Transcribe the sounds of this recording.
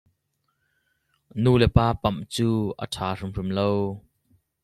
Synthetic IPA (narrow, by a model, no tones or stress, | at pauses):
nuːlɛpaːpɐmt͡suːʔə̰tʰaːrimrimlow